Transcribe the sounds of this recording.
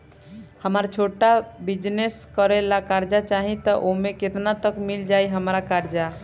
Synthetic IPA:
həməɾt͡ʃʰoʈabid͡ʒneskəɾelakaɾd͡ʒat͡ʃaɦĩt̪ɔʔomeket̪nat̪əkmild͡ʒajɦəmɾakaɾd͡ʒa

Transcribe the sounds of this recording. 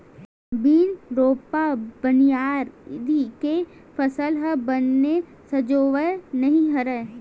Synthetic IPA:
biːnɾoːpabənijaːɾɾike | pʰəsəlɦəbənːe | sɐd͡ʒoːʋənɐɦĩɦɐɾə

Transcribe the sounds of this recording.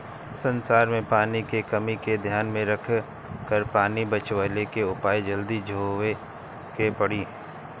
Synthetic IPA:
sə̃nsaːɾmẽpaːnikekəmiked̪ʱjaːnmẽɾəkʰ | kəɾpaːnibət͡ʃʋəlekeʊpaːid͡ʒəld̪id͡ʒʱoːʋe | kepəɽiː

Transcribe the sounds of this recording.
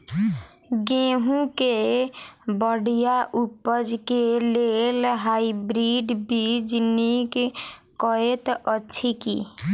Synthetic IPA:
ɡeɦũke | bəɽijaʔupːəd͡ʒkelelɦaibɾiɖbid͡ʒnikkɔet̪ətːt͡ʃʰʃʰikḭ

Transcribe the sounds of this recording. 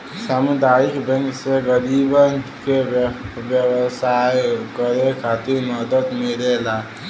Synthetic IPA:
samud̪aikbɛ̃ŋkseɡəɾibənkebjəwsajkəɾekʰat̪iɾməd̪əd̪meɾela

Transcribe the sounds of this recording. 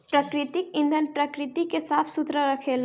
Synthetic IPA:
pɾəkɾɪt̪ɪkɪ̃nd̪ʱənpɾəkɾɪt̪ikesaːfʰsʊt̪ɾəɾɐkʰeːl

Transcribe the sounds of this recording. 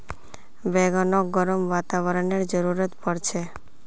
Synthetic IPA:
bɛɡɔnɔɡɔɾɔmʋat̪aʋɔɾɔneɾd͡ʒɔɾuɾɔt̪pɔɾt͡ʃʰe

